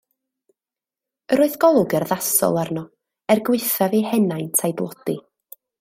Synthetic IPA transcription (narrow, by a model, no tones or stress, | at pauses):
əɾoːɨðɡ̥ɔlˠʊɡərðasɔ̰lˠarnɔ | ɛrɡwɪɨθavihɛnajntʰajdlˠɔd̥i